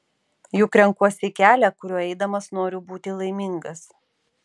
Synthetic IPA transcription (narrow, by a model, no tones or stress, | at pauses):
jʊkɾʲɛŋkuɔsʲɪkʲæːlʲɛkʊɾʲuɔɛɪd̪ɐmɐsnoːɾʲʊbuːt̪ʲɪlˠɐɪmʲɪŋɡɐs